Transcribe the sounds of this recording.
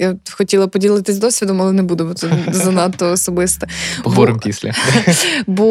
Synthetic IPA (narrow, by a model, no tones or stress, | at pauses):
jaxɔtʲilˠɐpɔdʲilˠɪt̪ɪszʲd̪ɔsʲʋʲid̪ɔmɐlˠɛnɛbud̪ɛbɔt̪ɛzɐnɑt̪ːɔːsɔbɪst̪ɛpɔɾɪmpʲisʲlʲɐ̰ | bɔ